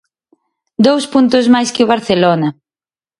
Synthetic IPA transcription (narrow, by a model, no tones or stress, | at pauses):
d̪owspunt̪ʊzmajskɪuβaɾθelonɐ